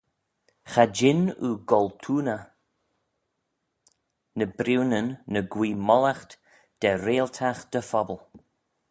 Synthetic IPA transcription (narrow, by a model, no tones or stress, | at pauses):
xad͡ʒɪnuɡɔlt̪ʰuːnə | nəbɾiwnənːəɡwiːmɔlaxt̪ | d̪̥ɛɾeːlt̪ʰaxd̪̥əfɔbəlˠ